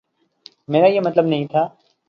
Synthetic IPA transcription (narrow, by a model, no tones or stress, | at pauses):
meːɾajemɐt̪ləbnɐɦĩt̪ʰaː